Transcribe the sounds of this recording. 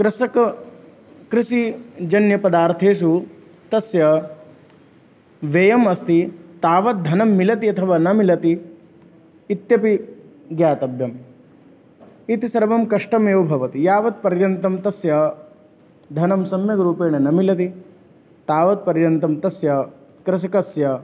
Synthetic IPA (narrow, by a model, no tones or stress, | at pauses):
kɾɪsɐkɐ | kɾɪsid͡ʒɐnjɐpɐd̪aːɾt̪ʰeːʃ̬u | t̪ɐsjɐ | ʋeːjɐmɐst̪it̪aːʋɐt̪̚d̪ʱɐnɐmːilɐt̪iɐt̪ʰɐʋaːnɐmilɐt̪i | t̪jɐpi | ɡjaːt̪ɐbjɐm | it̪isɐɾʋɐmkɐʂʈɐmeːʋbʱɐʋɐt̪ijaːʋɐt̪̚pɐɾjɐnt̪ɐmt̪ɐsjɐ | d̪ʱɐnɐmsɐmjɐɡɾuːpeːɳɐnɐmilɐt̪i | t̪aːʋɐt̪̚pɐɾjɐnt̪ɐmt̪ɐsjɐkɾɪs̬ɐkɐsjɐ